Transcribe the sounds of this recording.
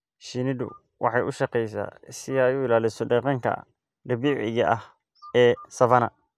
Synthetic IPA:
ʃinɪd̪ʊ̰ | wʔɑ̰ħɑjʔʊʃɐqɛjsa̰ːsɪajuːɪlaːlɪsɔɖɛqɑŋkʰɐ̰ | d̪ɐbiːʕɪ̰jɐʔɐh | ɛːsɐβɐnɐ

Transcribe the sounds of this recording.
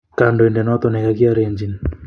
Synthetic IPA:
kandoɛndɛnɔt̪ɔnɛkakiaɾeɲd͡ʒini

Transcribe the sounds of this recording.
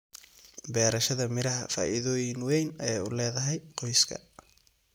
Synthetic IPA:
bɛːɾɐʃɐðɐmɪɾɐɦɐ̰fa̰ːʔɪðɔːjɪŋwɛjnɐjɛjʊlɛːðɐɦɛjqɔjskʰɐ̰

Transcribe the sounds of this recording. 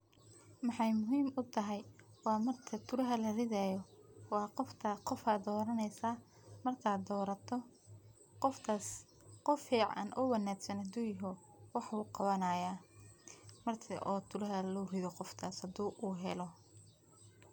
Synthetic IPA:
mɑħɑjmʊɦiːmʊt̪ʰɐɦɛjwɑːmɐrt̪ʰɐt̪ʰʊɾɐɦɐlɐrɪðaːjɔwɑːqɔft̪ʰɐqɔfaːd̪ɔːɾɐnɛjsaː | mɐrk̪ʰaːd̪ɔːɾɐt̪ʰɔ | qɔft̪ʰaːs | qɔfiːʕɑ̰nʔʊ̰wɐnaːɡsɐnhɐd̪uːjɪɦɔ | wɑħuːqɑβɐnaːjaː | mɐrt̪ʰɐʔɔːt̪ʰʊɾɐɦɐluːrɪðɔqɔft̪ʰaːshɐd̪uːʔuːɦɛlɔ

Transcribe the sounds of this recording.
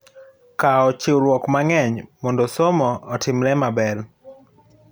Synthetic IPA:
kaɔt͡ʃɪɾwɔkmaŋɛɲmɔndɔsomɔɔtʰɪmɾɛmabɛl

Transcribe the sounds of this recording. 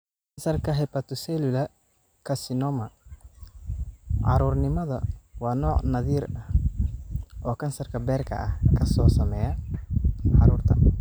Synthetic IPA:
kʰɐnsɐrkʰɐɦɛpɐt̪ʰʊsɛlʊlɐ | kʰɐsɪnɔːmɐ | ʕɑ̰ɾuːrnɪmɐðɐ̰wɑːnɔːʕnɐðiːrɐh | ʔɔːkʰɐnsɐrkʰɐbɛːrkʰɐ̰ʔɐhkʰɐsɔːsɐmɛːjɐ | ʕɑ̰ɾuːrt̪ʰɐ̰

